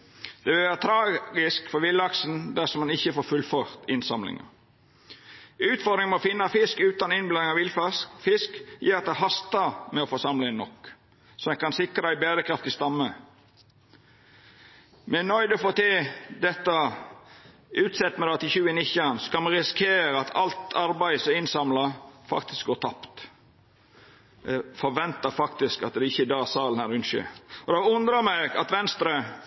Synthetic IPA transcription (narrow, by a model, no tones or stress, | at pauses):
d̪̥ɛʋɪlʋæːɾət̪ʰɾɑːɡɪskfɔɾʋɪlːɑksn̩d̪æsɔmɑnɪçəfoːɾfʉlføːɾt̪ɪnsɑmlɪ̰ŋɑ̰ | ʉːt̪fɔd̪ɾɪŋmɛɔfɪnːɑfɪskʉːt̪ɑnɪnblɑnɪŋɑʋɪlffɪskjiːɾɑt̪d̪æhɑst̪ɑmɛɔfɔsɑmləɛnːɔk | sɔɛnkɑnsɪkɾəæɪbeːɾəkʰɾɑft̪ɪst̪ɑmːə | mɛnœʏd̪ɔfoːt̪ed̪ɛt̪ːə | ʉːt̪sɛt̪ːmɛd̪ɑt̪ɪçʉːənɪçɑnsɔ̥kɑlmɛɾɪskʰeːɾɑt̪ʰɑ̰lt̪ʰɑɾbæɪsɔɪnsɑmlɑfɑ̰kt̪ɪ̥sk̚ɡoːt̪ʰɑpt̪ | fɔɾʋɛnt̪əɾfɑkt̪ɪskɑt̪̚d̪ɛɪçəd̪ɑːsɑːlhæɾʉnʃø̰ɔd̪ɑːʊnd̪ɾɑmæɪɡɑ̰t̪ʋɛnst̪ɾə